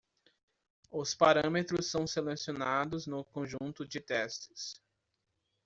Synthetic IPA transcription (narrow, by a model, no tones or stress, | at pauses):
ʊspaɾɐ̃met̪ɾʊsːɐ̃w̃selesionad̪ʊznʊkõʒũnt̪ʊd͡ʒɪt̪ɛst͡ʃɪ̥s